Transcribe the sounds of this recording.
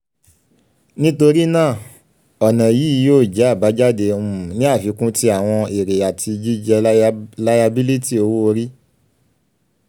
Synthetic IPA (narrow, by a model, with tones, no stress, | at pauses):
nĩ˦to˧ɾi˦nãː˦˨ | ɔ˨nã˨ji˨˦˧joː˦˨d͡ʒɛ˨˦a˦˨ba˨˦d͡ʒa˦˨de˧ũ˦˨nĩ˦a˦˨fi˨˦kũ˦ti˦a˨w̃ɔ̃˧i˨ɾe˨a˨tʰi˧d͡ʒi˦d͡ʒɛ˧la˦ja˧bi˦li˦ti˦˨o˧wo˦o˧ɾi˦